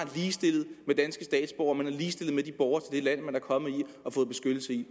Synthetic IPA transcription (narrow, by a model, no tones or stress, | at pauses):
liːsd̥e̝lð̩ˠmed̥ænsɡ̥əsd̥ɛ̰ːd̥sb̥ɒ̰ʊɐmenæɐliːsd̥e̝lð̩ˠmed̥ib̥ɒʊɐt͡sʰe̝ld̥elæn̰mænæɐkʰɒ̽mð̩ˠiɒ̽fɔ̽ːð̩ˠbe̝sɡ̥ød̥l̩səi